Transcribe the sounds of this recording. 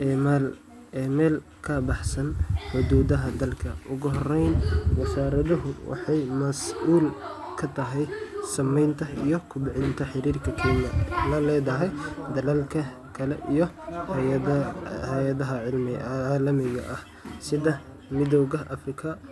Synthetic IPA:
ʔɛːmal | ɛːmɛːl | kʰɐbɑħsɐnħʊd̪uːðɐɦɐd̪ɐlkʰɐʔʊɣʊɦɔrɛjnwɐsaːɾɐðɐɦʊwɑ̰ħɑjmɐsʔuːl | kʰɐt̪ʰɐɦɛjsɐmɛjnt̪ʰɐijɔkʰʊbɪʕɪnt̪ʰɐħɪɾiːrkʰɐkʰɛːnɐlɐlɛːðɐɦɛjd̪ɐlɐlkʰɐ | kʰɐlɛ̰ʔijɔ | hɛjɐðɐɦɐʕɪlmɪlɐmɪɣɐ̰ʔɐh | sɪðɐ | mɪðɔwɣɐʔɐfrɪkʰɐ

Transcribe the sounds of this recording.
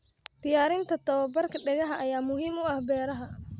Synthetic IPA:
d̪̥ɪjaːɾɪnt̪ʰɐt̪ʰɐβɐbɐrkʰɐɖɛɣɐɦɐʔɐjaːmʊɦiːmʊɐhbɛːɾɐɦɐ

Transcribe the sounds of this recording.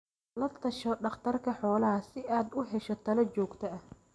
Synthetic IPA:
lɐt̪ʰɐʃɔɖɑχt̪ʰɐrkʰɐħɔːlɐɦɐsɪʔaːd̪ʊɦɛʃɔt̪ʰɐlɐt͡ʃɔːɡt̪ʰɐɐh

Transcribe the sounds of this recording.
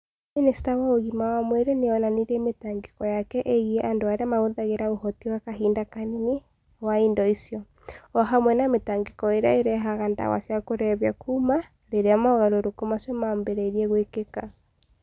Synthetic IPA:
ministawaoɣimawamwɛɾeneɔnaniɾemetaŋɡekɔjakɛʔeɣieʔandoaɾeamaoðaɣeɾaohɔtiwakaɦindakanine | waindɔisjɔ | ɔɦamwɛnametaŋɡekɔeɾeaeɾɛɦaɣanda̰wa̰sjakoɾɛβja̰kʰuma | ɾeɾeamaoɣaɾoɾokomasɔmambeɾɛiɾiɛɣwekeka

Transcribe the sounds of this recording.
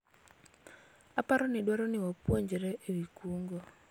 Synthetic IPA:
apaɾɔnɪɗwaɾɔnɪwapwoɲd͡ʒeɾɛʔewikuŋɡo

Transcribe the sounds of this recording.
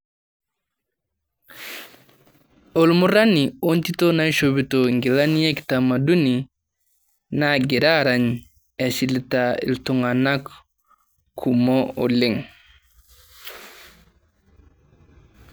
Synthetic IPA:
olmuɾaniontitonajʃobitoŋɡilanjektamaduni | naɡiɾaɾaɲ | esiltaḭltuŋanak | kʰumoo̰liŋ

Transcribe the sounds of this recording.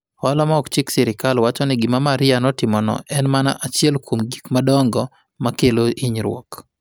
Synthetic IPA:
ɔlɔmaɔkt͡ʃɪksɛɾɪkalwat͡ʃɔnɪɡɪmamaɾɪanɔtɪmɔnɔ̰ʔɛnmana̰ʔat͡ʃjɛlkomɡikmadɔŋɡɔ | makeloʔiɲɾwɔ̰k

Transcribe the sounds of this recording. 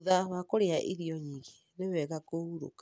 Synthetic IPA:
ðaβakoɾeaʔiɾiɔɲiːɣe | newɛɣakouɾo̰kḁ

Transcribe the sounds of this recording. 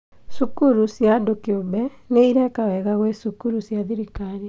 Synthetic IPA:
sukuɾusjadokeobɛ | neiɾɛkawɛɣaɣwesukuɾusjaðiɾikaɾi

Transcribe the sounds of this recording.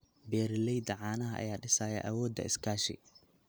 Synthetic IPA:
bɛːɾɪlɛjd̪ɐʕaːnɐɦɐʔɐ̰jaːɖɪsaːjɐ̰ʔɐwɔːd̪ːɐ̰ɪskʰaːʃɪ̰

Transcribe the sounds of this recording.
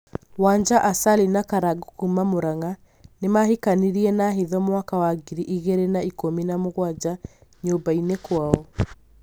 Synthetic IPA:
waɲd͡ʒaʔasalinakaɾaɡukumamoɾaŋa | nemahikaniɾiɛnaɦeðɔmowakawaɡiɾiʔiɣeɾenaikominamoɣwad͡ʒaɲobainekwaɔ

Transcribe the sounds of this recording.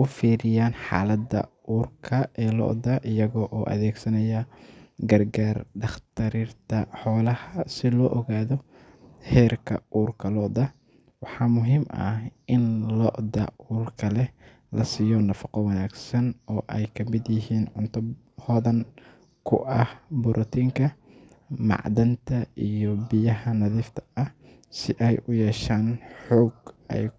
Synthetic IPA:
ʊfiːɾɪjaːnħɑ̰ːlɐd̪ɐ̰ʔuːrkʰɐɛːlɔ̰ʔd̪ɐʔɪjɐɣɔʔɔːʔɐ̰ðɛːɡsɐnɐjɐɡɐrɡaːrɖɑχt̪ʰɐɾirt̪ʰɐħɔːlɐhɐsɪlɔːʔɔɣaːðɔ | hɛːrkʰɐ̰ʔuːrkʰɐlɔd̪ɐ | wɑħɑːmʊɦiːmʔɐ̰hʔɪnlɔːʔd̪ɐ̰uːrkʰɐlɛ | lʔɐsijɔːnɐfɑqɔwɑnaːɡsɐnɔːʔɛjkʰɐmɪd̪jɪɦiːnʕʊ̰nt̪ʰʊb | hɔːðɐn | kʰʊ̰ʔɐhbʊɾʔɔt̪ʰiːŋkʰɐ | mɑ̰ʕd̪ɐnt̪ʰɐijɔbɪjɐɦɐnɐðiːft̪ʰɐ̥ɐh | sɪʔɛjʔʊjɛːʃaːnħɔːɡɛ̰j

